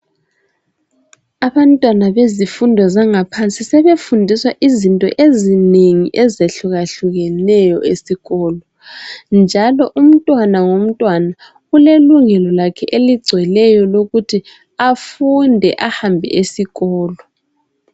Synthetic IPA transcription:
aβantʼwanaβezifundʱɔzaŋapʰant͡sʼisɛβefundʱiswaʔizintʼɔ̰ʔezineŋiʔɛzeɬuɣaɬuɣɛnɛjɔ̰ʔesiɣɔːlɔ | nd͡ʒʱalɔʔum̩tʼwanaŋom̩tʼwana | ɣuleluŋɛlɔlakʰɛʔeliɡ͡ǀʱwɛlɛjɔloɣutʰi | afundʱɛʔahambʱɛ̰ʔesiɣɔːlɔ

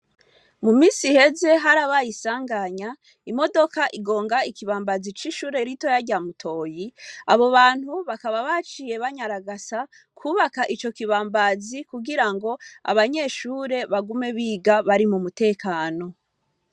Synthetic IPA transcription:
mumiːsihe̞ze̞ɦaɾaβajisaːŋɡaɲa | imo̞do̞kaʔiɡo̞ːŋɡaikiβaːmbazit͡ʃiʃuːɾe̞ɾito̞jaɾɟamutʰo̞ːjia̰βo̞βaːn̥huβakaβaβat͡ʃije̞βaɲaɾaɡasa | kʰuːβakaʔit͡ʃo̞kiβaːmbazikuɡiɾaŋɡo̞a̰βaɲe̞ːʃuːɾe̞βaɡume̞βiːɡaβaɾimumute̞ːkaːno̞

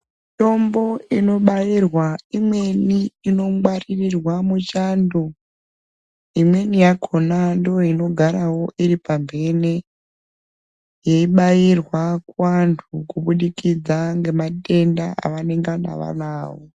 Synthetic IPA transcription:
to̞mbo̞ino̞ɓajirwaimwe̞niːno̞mwaririrwamut͡ʃaːndo̞ | imwe̞nijakʰonandojoino̞ɡʱaɾawo̞ʔiɾipambe̞ne | jeiɓajirwakantʰukuɓuɗikid͡zaŋɡe̞mate̞ndaa̰ʋane̞ŋɡana̰ʋa̰naːwo

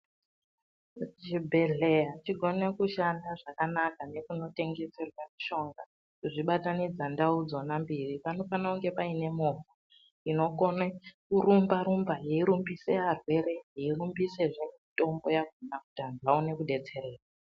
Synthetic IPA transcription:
d͡ʒibʱeɮejat͡ʃiɡʱo̞ne̞kuʃandaʐakanakane̞kuno̞te̞ŋɡe̞se̞rwamiʃo̞ŋɡa | kuʐiɓatanid͡zandaud͡zo̞nambiripano̞fanauŋɡe̞paine̞mova | ino̞ko̞nekuɾumbaɾumbaɦeiɾumbisearwe̞ɾe̞ɦeirumbise̞ʐe̞mito̞mbo̞jaɡʱonakutand͡zaune̞kuɗe̞t͡se̞ɾeːra

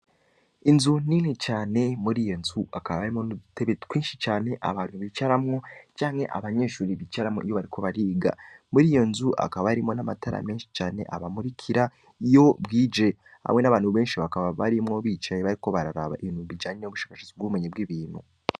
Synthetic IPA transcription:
inzuninit͡ʃaːne̞muɾiːjonzuakaβaβaɾimo̞nuuteβekwiːnʃit͡ʃaːne̞ʔa̰βaːn̥huβit͡ʃaɾamŋo̞t͡ʃaːŋhe̞̰ʔa̰βaɲe̞ːʃuːɾiβit͡ʃaɾamŋoʔijoβaɾikʰo̞βaɾiːɡa̰muɾijo̞nzuʔa̰kaβaaɾimŋo̞namatʰaɾa̰meːnʃi̥t͡ʃaːne̞̰ʔaβamuɾikʰiɾa | ijo̞bɡiːd͡ʒe̞ | ha̰mŋe̞naβaːnhuβe̞ːnʃiβakaβaβaɾimŋo̞βiːt͡ʃajeβaɾiko̞βaɾaɾa̰βa̰iβiːnhuβid͡ʒaːɲeuβuʃḁːkḁʃozibɡuːumeɲebɡiβiːn̥hṵ

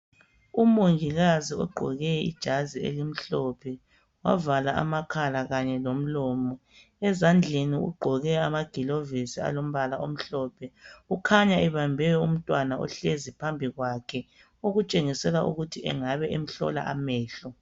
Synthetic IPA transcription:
umoŋiɣaziɔ̰ɡ͡ǃʱɔ̰ɣɛḭd̥ʒ̥ʱaziḛlim̩ɬɔpʰɛ | wa̰valaʔa̰makʰalaɣaɲɛlom̩lɔːmɔ | ɛzand͡ɮʱeniṵɡ͡ǃʱɔɣɛamaɡ̥ʱilovisia̰lom̩βalaʔom̩ɬɔːpʰɛukʰaɲaʔɛβambʱɛjɔum̩tʼwanaɔ̰ɬezipʰambʱiɣwaːkʰɛ | uɣut͡ʃʼeŋisɛlaṵɣutʰiʔɛ̰ŋaβɛʔem̩ɬɔ̰la̰ʔamɛːɬɔ

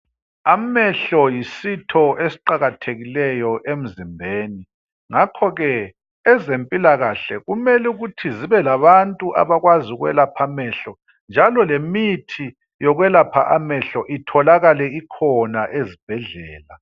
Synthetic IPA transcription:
amɛɬɔjisitʰɔesi̥ǃaɣatʰeɣilɛjɔʔem̩zimbʱeːni | ŋakʰɔɣɛː | zempʼilaɣaɬɛɣumɛluɣutʰiziβɛlaβantʼuʔa̰βaɣwaziuɣwɛ̰lapʰamɛɬɔ | nd͡ʒʱalɔlemitʰi | jɔɣwɛlapʰa̰ʔamɛɬɔʔitʰɔlaɣalɛikʰɔnaʔezib̥ʱɛɮɛːla

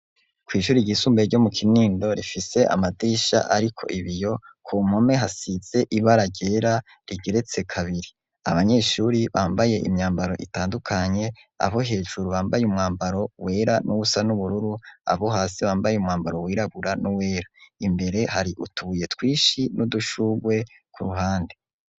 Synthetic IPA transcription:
kwiːʃuːɾiɟisuːmbeɾɟo̞mukʰiniːndo̞ɾifise̞ʔa̰madiːʃa̰ʔaɾikʰo̞̰ʔiβijo̞kʰom̥ho̞me̞ɦasiz̥e̞ʔiβaɾaɟe̞ːɾa | ɾiɡe̞ɾe̞t͡se̞kʰaβiɾi | a̰βaɲe̞ʃuɾiβaːmbaje̞ʔḭmɲaːmbaɾo̞̰ʔitaːndukʰaɲe̞ | a̰βo̞ɦe̞ːʒuɾuβaːmbajumŋaːmbaɾo̞we̞ːɾanʔuusanuβuɾuɾua̰βo̞ɦaːsiβaːmbajeumŋaːmbaɾo̞wiːɾaβuɾanuwe̞ːɾaimbe̞ɾe̞haɾiʔutʰuje̞twiːʃinuduʃuɡwe̞ | kʰuɾuɦaːnde

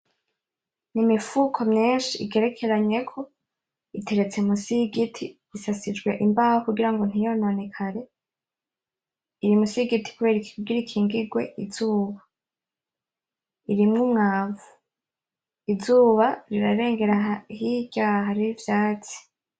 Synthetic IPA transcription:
nimifukʰo̞mɲiːnʃiḭɡe̞ɾe̞kʰe̞ɾaɲe̞kʰo̞ | itʰe̞ɾe̞t͡semusiɡitʰi | isasid͡ʒɡwe̞ʔimbaːhokuɡiɾaŋɡo̞n̥ijononekʰaɾe̞ | iɾimusiɡitʰi̥kuβeɾikiɡiɾikʰiːŋɡiɡwe̞̰ʔiz̥uːβa | iɾimŋumŋaːvu | izuːβaɾiɾaɾe̞ːŋɡe̞ɾahiɟaːɦaɾiivjaːt͡si̥

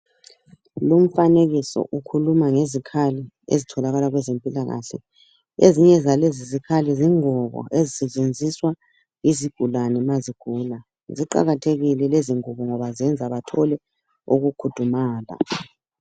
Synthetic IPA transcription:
lum̩faneɣisɔ̰ʔukʰulumaŋezikʰali | ḛzitʰɔlaɣalaɣwɛzempʼilaɣa̰ɬɛ̰ | eziɲɛzalezizikʰaliziŋɔβɔ̰ezisɛt͡ʃʼend͡zʱiswa | iziɡ̥ʱulanɛmaziɡ̥ʱuːla | ziǃa̰ɣatʰeɣilɛleziŋɔβɔŋɔβazɛnd͡zʱaβatʰɔlɛ | uɣukʰud̥ʱumaːla̰

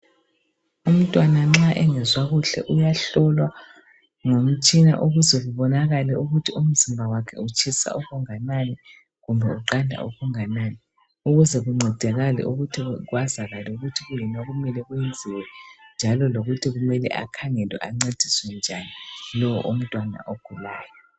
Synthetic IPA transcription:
um̩tʼwanaŋ͡ǁaʔɛŋɛzwaɣuɬɛ̰ʔujaɬɔlwa | ŋom̩t͡ʃʼina̰ʔuɣuzɛɣuβɔnaɣalɛuɣutʰium̩zimbʱawakʰɛ̰ut͡ʃʼʰisa̰uɣuŋananɛ | ɣumbʱɛuǃandʱa̰ṵɣuŋanani | uɣuzɛɣuŋ͡ǀʱɛd̥ʱɛɣalɛ̰ʔuɣutʰiɣwazaɣalɛuɣutʰiɣujinaɣumɛlɛɣujend͡zʱiwɛnd͡ʒʱalɔloɣutʰiɣumɛlɛ̰ʔa̰kʰaŋɛlwɛ̰ʔaŋ͡ǀed̥ʱiswɛnd͡ʒʱanilɔwɔ̰ʔum̩tʼwana̰ʔoɡ̥ʱulaːjɔ

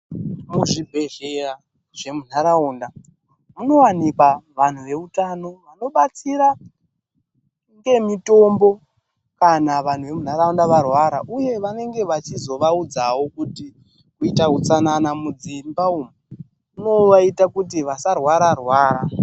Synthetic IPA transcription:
muʐibʱe̞ɮeɾa | ʐe̞mun̤aɾauːnda | muno̞wanikwaʋan̤uʋe̞utano̞ʋano̞ɓat͡siɾa | ŋɡe̞mito̞mbo̞ | kanaʋan̤uʋe̞mun̤aɾaundaʋarwaɾaʔuje̞ʋane̞ŋɡe̞ʋat͡ʃizo̞ʋaud͡zawo̞kuti | kuitakut͡sananamud͡zimbauːmu | uno̞ʋaitakutiʋasarwaɾarwaːɾa

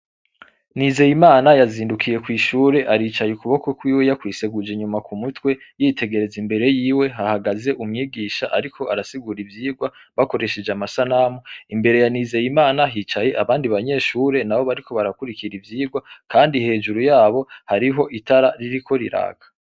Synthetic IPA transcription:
nize̞jimaːnajaziːndukʰije̞kwiːʃuːɾe̞ʔaɾiːt͡ʃajekuβokokwiːwe̞jakwiːse̞ɡud͡ʒe̞ɲumakumutwe̞jitʰe̞ɡe̞ɾe̞zimbe̞ɾe̞jiːwe̞ɦahaɡaze̞ʔumŋiːɡiːʃaʔaɾikʰo̞ʔaɾasiɡuɾivjiːɡwa | βako̞ɾe̞ʃe̞d͡ʒamasanamoimbe̞ɾe̞janiːze̞jimaːnaɦiːt͡ʃaje̞ʔaβaːndiβaɲe̞ːʃuːɾe̞nawo̞βaɾikʰo̞βaɾakuɾikiɾivjiːɡwakʰaːndihe̞ːd͡ʒuɾujaːβo̞haɾiɦo̞ʔitaɾaɾiɾikʰo̞ɾḭɾa̰ːɡ̥a

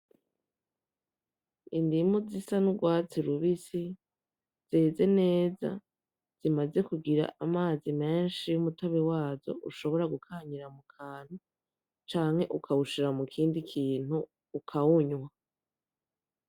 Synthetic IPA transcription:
indimuzisanuɡwaːt͡siɾuβisi | z̥eːze̞ne̞ːza̰ | z̥imaze̞kuɡiɾa̰ʔamaːzime̞ːnʃijumuto̞βewaːzo̞̰ʔuʃo̞βo̞ɾaɡukʰaːɲiɾamukʰaːn̥hu | t͡ʃaːŋhe̞ʔukʰawuʃiɾamukʰiːndikʰiːn̥huː | kʰawuɲwa

